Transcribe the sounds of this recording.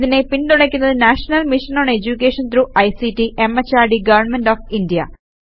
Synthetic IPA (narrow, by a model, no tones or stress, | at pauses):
ðine̞pint̪uɽɐkʲːunːɐðɨnaːʂɐnɐlmiʂɐnoːɳed͡ʑukʲːeːʂɐnt̪ɾuɐjsitiʔemɐt͡ɕːaːɖiɡɐʋɐrɳmenɖoːfindijɐ̰